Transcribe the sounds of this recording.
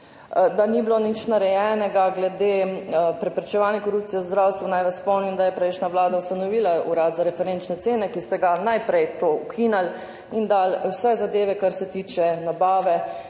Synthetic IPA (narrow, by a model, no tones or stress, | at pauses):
d̪aniblonit͡ʃnaɾɛjɛnɛɡaɡlɛd̪eːpɾɛpɾɛt͡ʃɛʋaːlnjɛkɔɾup̚t̪sijɛzd̪ɾaːwst̪ʋanajʋɛspɔwniind̪ajɛpɾɛɪʃnaʋlaːd̪aust̪anɔʋiːlaṵɾad̪zaɾɛfɛɾent͡ʃnɛt̪seːnɛkist̪ɛɡanajpɾɛjt̪oukʰinal | ind̪alwsɛzad̪eːʋɛkaɾsɛt̪iːt͡ʃɛnabaːʋɛ